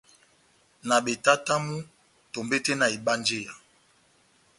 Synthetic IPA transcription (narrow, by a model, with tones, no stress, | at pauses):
na˨ɓe˨ta˦ta˦mu˦ | to˨mbe˦te˦na˨i˨ɓa˦nd͡ʒe˦ja˨